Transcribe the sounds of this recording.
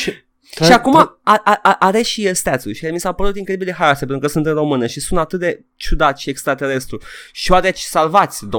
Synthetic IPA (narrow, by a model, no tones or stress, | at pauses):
ʃi | ʃiakumaaʔaʔaʔaɾeʃijest̪at̪suʃiamisapəɾut̪iŋkɾed̪ibilexaɾasepenɾukəsunt̪ɨnro̞mɨnəʃisunt̪at̪ɨt̪̚d̪e | t͡ʃud̪at̪ʲʃiekst̪ɾat̪e̞ɾe̞st̪ɾuʃioat̪ɾet͡ʃʲsalvat̪sʲd̪o